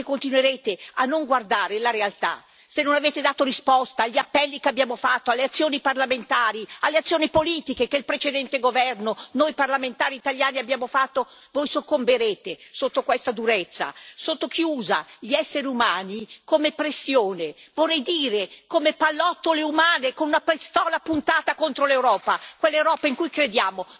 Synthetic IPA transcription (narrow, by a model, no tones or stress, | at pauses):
ekːont̪inweɾeːt̪eanːoŋɡward̪aːɾelaɾealt̪a̰ | senonaveːt̪ed̪aːt̪oɾispɔst̪aːʎːiapːɛlːikeabjaːmofat̪ːoalːeat̪sːjoːniparlament̪aːɾialːeat̪sːjoːnipoliːt̪ikekeilpɾet͡ʃed̪ɛnt̪eɡovɛrnonojparlament̪aːɾiːt̪aljaːniabjaːmofat̪ːovojsokːombeɾeːt̪esot̪ːokwest̪ad̪uɾet̪sːa̰sot̪ːokijuːza̰ʎiɛsːeɾiumaːnikomepɾesːjoːnevorːɛjd̪iːɾekomepalːɔt̪ːoleumaːnekonunapɾist̪ɔːlapunt̪aːt̪akont̪ɾolewɾɔːpakwelːewɾɔːpaiŋkujkɾed̪jaːmo